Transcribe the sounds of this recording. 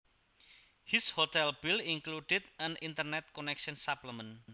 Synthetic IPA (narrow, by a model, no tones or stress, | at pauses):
hishot̪ɛlbiliŋkluɖɪd̪ə̃nint̪ərnɛt̪̚konɛkʃɔnsapləmə̃n